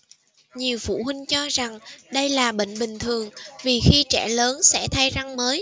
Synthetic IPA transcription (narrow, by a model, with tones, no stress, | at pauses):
ɲi˨˩əwfṵ˧˩hwï˧ŋ̟t͡ɕɔ˧za˨˩ŋɗə˧jlaː˨˩ɓə̰˧˨ŋ̟ɓï˨˩ŋ̟t̪ʰɨ˨˩əŋvi˨˩xi˧t͡ɕɛ̰˧˩ləː˨˦nsɛ̰˧˥t̪ʰa˧jza˧ŋməː˨˦j